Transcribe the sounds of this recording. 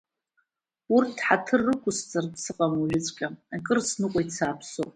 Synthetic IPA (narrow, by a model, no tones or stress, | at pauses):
urtʰħatʰɨrːɨkʷʰʼʊst͡sʼardsɨqʼamuʒᶣɪt͡sʷʼkʲʼaakʼɨrsnɨqʷʼajt͡sʰaːpʰsopʼ